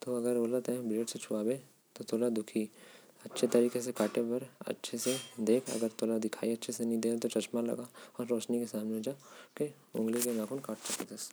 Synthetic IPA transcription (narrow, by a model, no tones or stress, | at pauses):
t̪oɐɡəɾoːlət̪ɛ̃bɾeːɖset͡ʃʰʊaːbẽ | t̪ot̪oːlad̪ʊkʰiɐtːʃʰet̪ɐɾiːkes̬ekaːʈebɐɾɐ̰tːʃʰesed̪eːkʰɐ̰ɡəɾt̪oːlad̪ɪkʰa̰ːiɐtːʃʰesenɐɦĩd̪eːt̪ot͡ʃɐt͡ʃmalɐ̰ɡaɔːɾːɔːt͡ʃnikesaːmned͡ʒaːke | ʊ̰̃ŋɡlikenãːkʊnkaːʈt͡ʃɐket̪ɐs